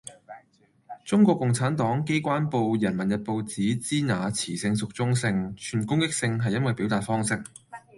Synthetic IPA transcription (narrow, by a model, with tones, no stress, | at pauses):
t͡sʊ˥ŋkʷɔː˧kːʊ˨ŋt͡sʰaː˨˥nt̪ɔː˨˥ŋke˥jkʷaː˥npo˧wjɐ˨˩nmɐ˨˩njɐ˨t̚po˨˧wt͡siː˨˥t͡siː˥naː˨˥t͡sʰiː˨˩sɪ˧ŋsʊ˨k̚t͡sʊ˥ŋsɪ˧ŋt͡ʃʰyː˨˩nkʊ˥ŋkɪ˥k̚sɪ˧ŋɦɐ˨jːɐ˥nwɐ˨jpiː˨˥wt̪aː˨t̚fɔː˥ŋsɪ˥k̚